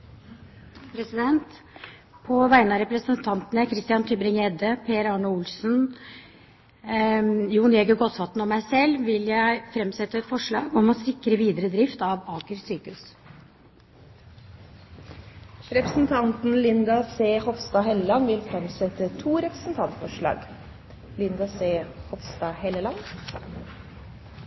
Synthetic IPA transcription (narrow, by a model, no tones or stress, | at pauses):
pʰɾɛsɪd̪ɛnt̪ | pʰɔʋæɪnəɑɾɛpɾəsənt̪ʰɑnt̪ənəkʰɾɪst̪ɪjɑnt̪ʰʏbɾɪŋeːd̪əpʰeːɾɑɳəʊlsn | juːnjeɡəɡɔt̪sɑt̪n̩ɔmːæɪsɛlːʋɪljæɪfɾɛmsɛt̪ːəɛt̪fɔʂɭɑːɡɔmɔsɪkːɾəʋiːd̪əɾəd̪ɾɪft̪ɑʋɑːkəɾsyːkʉs | ɾɛpɾəsn̩t̪ʰɑnt̪n̩lɪnd̪ɑseːhɔfst̪ɑːhɛləlɑnːʋɪlfɾɛmsɛt̪ːət̪ʰuːɾɛpɾə̥sn̩t̪ʰɑnt̪fɔʂɭɑ̰ːɡ | lɪnd̪ɑseːhɔfst̪ɑːhɛləlɑn